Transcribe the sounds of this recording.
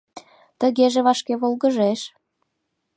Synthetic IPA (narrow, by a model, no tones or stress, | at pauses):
t̪ə̆ɣeʒeβɑʃkeβolɣəʒeʃ